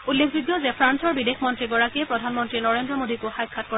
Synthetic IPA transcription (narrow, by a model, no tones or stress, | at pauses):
ulːimʰbiɡjɔzɛpʰɹansɔɹbidexʰmɔntɹiɡɔɹakiɛpɹɔdʱanmɔntɹinɔɹendɹɔmodikʊxajkʰːat̚kɔ